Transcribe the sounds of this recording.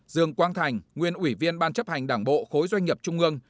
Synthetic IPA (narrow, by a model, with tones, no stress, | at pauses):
zɨ˨˩əŋkwaː˧nt̪ʰa˨˩jŋ̟ŋwi˨˩ənʔwi˧˩vi˧ənɓaː˧nt͡ɕə˦˥p̚ha˨˩jŋ̟ɗaː˧˩ŋɓo̰˧˨xo˨˦jzwa˧jŋ̟ɲi˨˩p̚t͡ɕʊ˧ŋ͡mʔɨ˧əŋ